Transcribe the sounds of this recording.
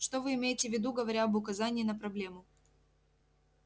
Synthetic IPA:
ʂt̪ovɨɪmʲejɪtʲɪvʲɪd̪uɡəvɐɾʲaɐbʊkɐzanʲɪːnəpɾɐblʲe̞mʊ

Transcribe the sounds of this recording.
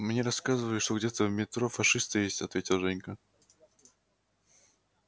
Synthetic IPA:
mnʲeɾɐskazɨvəjɪt̪ʂt̪oɡdʲet̪əvmʲɪt̪ɾofɐʂɨst̪ɨjesʲtʲɐt̪vʲetʲɪlˠʐɛnʲkə

